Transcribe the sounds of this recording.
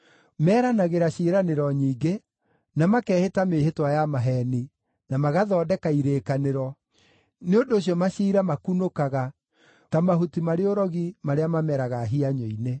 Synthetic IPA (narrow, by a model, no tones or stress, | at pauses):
mɛːɾanaɣeɾaʃiːɾaneɾɔɲiːɡe | namakɛːhetameːhetwajamaɦɛːni | namaɣaðɔːdɛkaiɾeːkaneɾɔ | neondoːɕ̬jɔmaʃiːɾamakunokaɣa | tamaɦutimaɾeoɾɔɣimaɾeamamɛɾaɣaɦiaɲɔine